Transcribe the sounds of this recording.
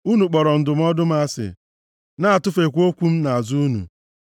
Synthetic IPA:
u˦nu˨k͡pɔ˨ɾɔ˨n̩˨dʊ˨m̩˦ɔ˦dʊ˦m̩˦a˦sɪ̰˨ | na˦a˨tʊ˦fe˨kʷo˦kʷu˦m̩˦na˨a˨zu˦nṵ˨

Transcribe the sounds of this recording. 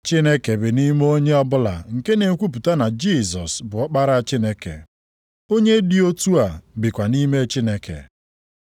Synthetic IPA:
t͡ʃi˦ne˦ke˨bɪ˨ni˦m˦o˦ɲe˦ɔ˦bʊ˦la̰˨ŋ̩˨ke˦ne˨˦kʷu˦p̬u˨ta˦na˨d͡ʒi˦˨zɔ˨sbʊ˨ɔ˦k͡pa˦ɾa˦a˨t͡ʃi˦ne˦kḛ˨ | o˦ɲe˦di˦o˦tu˦a˨bɪ˨kʷa˨ni˦me˦t͡ʃi˦ne˨kḛ˨

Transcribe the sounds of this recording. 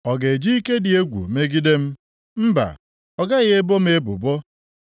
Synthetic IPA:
ɔ˨ɡe˨d͡ʒi˦i˦ke˦dɪ˨e˦ɡʷṵ˨me˦ɡi˦de˦m̩˦ | m̩˦ba̰˨ | ɔ˦ɡa˦ɣɪ˦e˦bo˦m̩˦e˦bʊ̰˨bɔ˦

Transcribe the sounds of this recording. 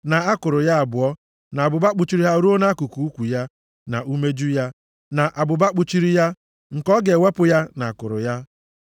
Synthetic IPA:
na˨a˦kʊ˨ɾʊ˨ja˦a˨bʊ˨ɔ˦ | na˨bʊ˨ba˦k͡pʊ˨t͡ʃi˦ɾi˦ɦa˦ɾu˦o˦na˦a˦ku˨ku˨u˦kʷu˨ja˦ | na˨ʔu˦me˦d͡ʒu˦ja˦ | na˨ʔa˨bʊ˨ba˦k͡pʊ˨t͡ʃi˦ɾi˦ja˦ | ŋ̩˨kɔ˦ɡe˨we˦pʊ˨ja˦na˨kʊ˨ɾʊ̰˨ja˦

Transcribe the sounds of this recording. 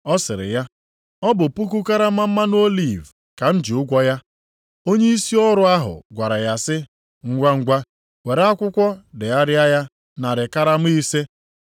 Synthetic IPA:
ɔ˦sɪ˨ɾɪ̰˨ja˦ | ɔ˦bʊ˨pu˦k̬u˦ka˦ɾa˦m̩˦a˦m̩˦ma˦n˦o˦li˦˨v | ka˨n̩˦d͡ʒi˨ʊ˦ɡʷɔ˦ja˦ | o˦ɲe˦i˦si˦ɔ˦ɾʊ˦a˦ɦʊ̰˨ɡʷa˨ɾa˨ja˦sɪ˦ | ŋ̩˦ɡʷa˦ŋ̩˦ɡʷa˦ | we˨ɾa˦kʷʊ˦kʷɔ˦dɪ˨a˦ɾɪ˦a˦ja˦ | na˨ɾɪ˨ka˦ɾa˦m̩˦i˦se˦

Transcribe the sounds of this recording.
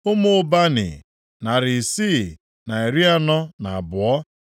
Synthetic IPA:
ʊ˦mʊ˦˨ʊ˦ba˦nɪ̰˨ | na˨ɾɪ˨si˦˨ | na˨e˨ɾi˦a˦nɔ˦na˨a˨bʊ˨ɔ˦

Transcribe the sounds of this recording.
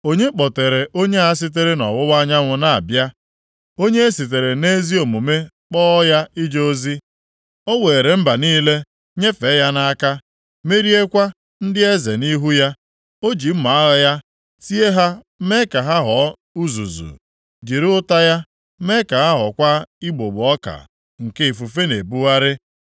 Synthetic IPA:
o˦ɲe˦k͡pɔ˨te˨ɾe˨ʔo˦ɲe˦a˨˦s̬ɪ˦t̬e˦ɾe˦nɔ̰˨wʊ˦wa˦ɲa˦ŋʷʊ˦na˨a̰˨bja˦ | o˦ɲe˦e˦si˨t̬e˨ɾe˨ne˦zi˦o˨mu˨me˦ | k͡pɔː˦ja˦i˦d͡ʒo˦zi˦ | ɔ˦we˨e˨ɾe˨m̩˦ba˨niː˦le˦ | ɲe˦fe˨˦ja˦na˦ka˦ | me˦ɾi˦e˦kʷa˦ | n̩˦dɪ˦e˦ze˨ni˦ɦu˦ja˦ | o˦d͡ʒi˨m̩˦ma˨a˦ɣa˦ja˦ | si˦e˦ɦa˦ | me˦ka˨ɦa˦ɦɔ˨˦ | u˦zṵ˨zṵ˨ | d͡ʒi˨ɾʊ˦ʊ˦ta˦ja˦ | me˦ka˨ɦa˦ɦɔ˨kʷa˦i˦ɡ͡bo˨ɡ͡bʊ˨ɔ˦ka̰˨ | ŋ̩˨ke˦i˨fu˨fe˦ne˨bu˦ɣa˦ɾɪ˦

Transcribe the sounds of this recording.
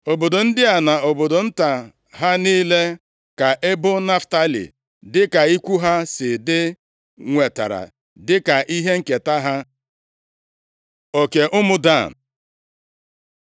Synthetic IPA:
o˨bo˨do˨n̩˦dɪ˦a˨na˨o˨bo˨do˨n̩˦ta˨ | ɦa˦niː˦le˦ | ka˨ʔe˦bʊ˦na˦fta˦lḭ˨ | dɪ˦ka˨i˦kʷu˦ɦa˦sɪ˨dɪ˦ | ŋʷe˨ta̰˨ɾa̰˨ | dɪ˦ka˨ʔi˦ɦe˦ŋ̩˨ke˨ta˦ɦa˦ | o˨ke˨ʔʊ˦mʊ˦da˦˨n˨

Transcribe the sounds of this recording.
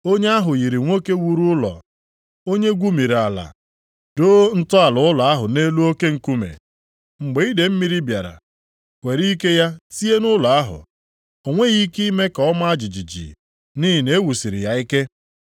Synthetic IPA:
o˦ɲe˦a˦ɦʊ˨ɣi˨ɾi˨ŋʷo˦ke˦wu˦ɾu˦ʊ˦lɔ̰˨ | o˦ɲe˦ɡʷu˦mi˨ɾi˨a˨la̰˨ | doː˦n̩˦tʊ˦a˨lʊ˨ʊ˦la˨a˦ɦʊ˨ne˦lu˦o˦ke˦ŋ̩˨ku˦mḛ˨ | ŋ͡m̩˨ɡ͡be˨i˦de˨m̩˦mi˦ɾi˦bja˨ɾa̰˨ | kʷe˨ɾi˦ke˦ja˦si˦e˦nʊ˦la˨a˦ɦʊ̰˨ | o˨ŋʷe˦ɣi˦ki˦me˦ka˨ɔ˦ma˦a˦d͡ʒi˨d͡ʒi˨d͡ʒḭ˨ | ni˦ɦi˨ne˨˦wu˨si˨ɾḭ˨ja˦i˦ke˦

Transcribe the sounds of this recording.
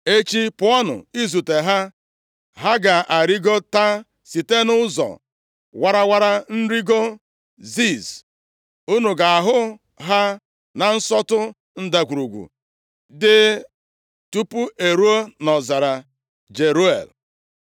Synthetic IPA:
e˦t͡ʃi˦pʊ˦ɔ˦nʊ̰˨i˦zu˨te˨ɦa˦ | ɦa˦ɡa˨ʔa˨ɾi˦ɡo˦ta˦ | si˨te˦nʊ˦zɔ̰˨ | wa˦ɾa˦wa˦ɾa˦n̩˦ɾi˦ɡo˦ | zi˦˨z | u˦nu˨ɡa˨a˨ɦʊ˦ | ɦa˦ | na˨n̩˦sɔ˦tʊ˦ | n̩˦da˨kʷu˨ɾu˨ɡʷṵ˨ | dɪ˦ | tu˦pu˦e˨ɾu˦o˦nɔ˨za˨ɾa˨ | d͡ʒe˨ɾu˦ḛ˨l

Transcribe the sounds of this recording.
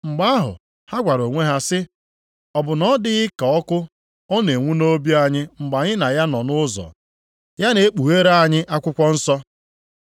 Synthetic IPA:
ŋ͡m̩˨ɡ͡ba˦a˦ɦʊ̰˨ | ha˦ɡʷa˨ɾo˨ŋʷe˦ɦa˦sɪ˦ | ɔ˨bʊ˨nɔ˦dɪ˦ɪ˦ka˨ɔ˦kʊ˦ | ɔ˦ne˨ŋʷu˦no˦bi˦a˦ɲɪ˦ŋ͡m̩˨ɡ͡ba˨ɲɪ˦na˨ja˦nɔ˨nʊ˦zɔ̰˨ | ja˦ne˨˦e˦k͡pu˨e˦ɾa˦a˨ɲɪ˦ʔa˦kʷʊ˦kʷɔ˦n̩˦sɔ˦

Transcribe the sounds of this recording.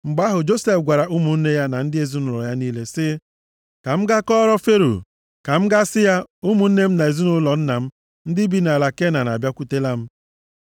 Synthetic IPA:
ŋ͡m̩˨ɡ͡ba˦ɦʊ˨d͡ʒo˦se˦fɡʷa˨ɾa˨ʔu˦mu˨n̩˦ne˦ja˦na˨n̩˦dɪ˦e˨zi˦nʊ˨ɾɔ̰˨ja˦niː˦le˦sɪ˦ | ka˨m̩˦ɡa˦kɔ˦ɾɔ˦fe˦ɾṵ˨ | ka˨m̩˦ɡa˦sɪ˦ja˦u˦mu˨n̩˦ne˦m̩˦na˨e˨zi˦nʊ˦lɔ˨n̩˦na˨m̩˦ | n̩˦dɪ˦bi˦na˨la˨ke˦na˨na̰˨bja˦kʷu˦te˦la˦m̩˦

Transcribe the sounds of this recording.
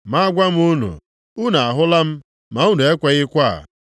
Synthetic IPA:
ma˦a˦ɡʷa˦m̩˦u˦nṵ˨ | u˦na˨a˨ɦʊ˦la˦m̩˦ | ma˨u˦nu˨e˦kʷe˨ɣɪ˦kʷa˦˨

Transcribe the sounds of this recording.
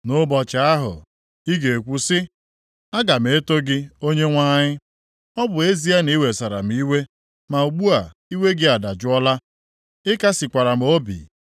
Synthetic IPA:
nʊ˦bɔ˨t͡ʃa˨a˦ɦʊ̰˨ | i˦ɡe˨kʷu˦sɪ˦ | a˦ɡa˨m̩˨e˦to˦ɡɪ˦o˦ɲe˦ŋʷa˦ɲɪ˦ | ɔ˦bʊ˨e˦zi˦a˦ni˦we˨sa˨ɾa̰˨m̩˦i˦we˦ | ma˨u˨ɡ͡bu˦a˨ | i˦we˦ɡɪ˦a˨da˨d͡ʒʊ˦ɔ˦la˦ | ɪ˦ka˦sɪ˨kʷa˨ɾa˨m̩˨˦o˦bḭ˨

